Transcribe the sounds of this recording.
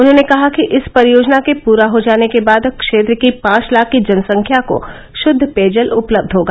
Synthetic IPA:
ʊnɦõnekɐɦakiʔɪspɐɾjoːd͡ʒnakepuːɾaɦod͡ʒaːnekebaːd̪kʃeːt̪̬ɾəkipãːt͡ʃlaːkːid͡ʒɐnsɐ̃ŋkʰjako̰ | ʃʊd̪ʱːpeːd͡ʒəlʊpləb̚d̪ʱɦoːɡaː

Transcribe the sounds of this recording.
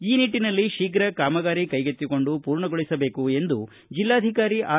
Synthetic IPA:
iːniʈːinɐlːiʃiːɡɾɐkaːmɐɡaːɾikɐjɡet̪ːiko̞ɳɖupuːɾɳɐɡoɭisɐbe̞ːkue̞nd̪u | d͡ʒilːaːd̪ʱikaːɾiʔaː

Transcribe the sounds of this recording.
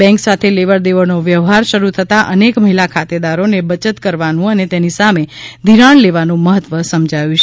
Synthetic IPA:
ɛ̃ŋksat̪ʰeleʋəɾd̪eʋəɾnoʋjəʋɦaɾʃəɾut̪ʰət̪aʔənekməɦilakʰat̪ed̪aɾonebət͡ʃət̪kəɾʋanũənet̪enisamed̪ʱiɾaɳleʋanũməɦət̪ʋəsəmd͡ʒʱajũt͡ʃ

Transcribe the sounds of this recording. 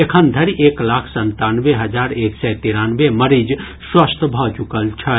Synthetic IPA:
ekʰənd̪ʱəɾiʔeːklaːkʰsɐ̃nt̪aːnʋeɦɐd͡ʒaːɾeːksɛt̪iːɾãːnʋemɐɾiːd͡ʒ | swəst̪ʰbʱɔt͡ʃʊkəlt͡ʃʰɛ

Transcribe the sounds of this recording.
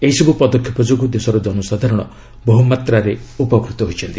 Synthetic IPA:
eɦisɔbupɔd̪ɔkʰjipɔd͡ʒoɡud̪esɔɾɔd͡ʒɔnɔsad̪ʱaɾɔɽ̃ɔ̰ | boɦumat̪ɾaɾeupɔkɾut̪ɔɦojt͡ʃʰɔnt̪i̥

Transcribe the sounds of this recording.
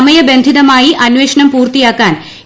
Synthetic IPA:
mɐjɐbe̞nd̪ʱiðɐmaːjiʔɐnʋeːʂɐnɐmpuːrt̪ijaːkːaːn

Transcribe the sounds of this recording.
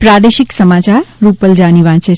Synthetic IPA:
pɾad̪eʃiksəmat͡ʃaɾːupəld͡ʒaniʋãt͡ʃʰe

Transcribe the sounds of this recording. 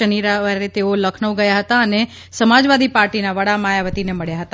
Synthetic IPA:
əniɾaʋəɾet̪eoləkʰnəʋɡəjaɦət̪aəne | səmad͡ʒʋad̪ipaɾʈinaʋəɽamajaʋət̪ineməɭjaɦət̪a

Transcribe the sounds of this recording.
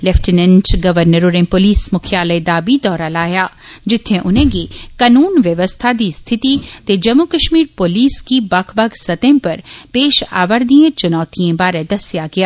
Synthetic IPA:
lɛfʈɪnə̃nsɡɐʋəɾnəɾoɾẽpoːliːsmʊkʰjaːləjd̪aːbid̪ɔːɾalaːjaːd͡ʒɪt̪ʰːẽʔʊnɦẽɡikaːnuːnʋjɐʋəst̪ʰad̪ist̪ʰɪt̪it̪ed͡ʒɐmukɐʃmiːɾpoːliːskibɐkʰbɐɡsɐt̪ẽpɐɾpeːʃa̰ːʋəɾd̪iẽt͡ʃʊnɔːt̪iẽbaːɾed̪ɐsjaɡɐjaː

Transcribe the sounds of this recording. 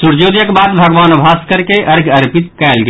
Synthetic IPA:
suɾd͡ʒod̪jəkbad̪bʱəɡʋanobʱaskəɾkeʔəɾɡʱəɾpit̪kɛlɡe

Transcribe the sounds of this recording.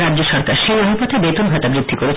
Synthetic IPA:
ɾadːd͡ʑoʃɔɾkaɾʃemaɦupɔt̪ebet̪onɡʱɔt̪abɾid̪ʱːikoɾe

